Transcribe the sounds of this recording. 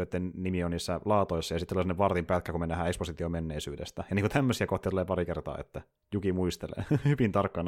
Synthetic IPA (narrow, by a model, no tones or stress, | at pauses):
øt̪ːennimioniːsːælɑːt̪oisːɑjɑsit̪ːulisenːeʋɑrt̪impækːækumenːæhæːeksposit̪iomenːeisyːdḛst̪æjɑniːŋkut̪ʰæmːøsiækoht̪it̪uleːpɑɾikert̪ɑ̰ːḛt̪ːæ | jukimuist̪elḛhyʋint̪ɑrkːɑn